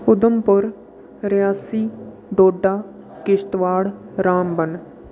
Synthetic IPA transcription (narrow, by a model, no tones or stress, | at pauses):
ʊd̪əmpʊɾ | ɾjaːsiː | ɖoːɖaː | kɪʃt̪ʋaːɽɾaːmbən